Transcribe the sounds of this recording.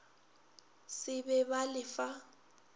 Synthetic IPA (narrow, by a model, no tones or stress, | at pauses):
sɪbɛbalɪfa